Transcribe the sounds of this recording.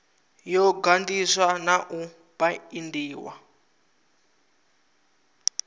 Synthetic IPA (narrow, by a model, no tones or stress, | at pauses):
jɔɡandiswanaʔu | b̥aindiːwa̰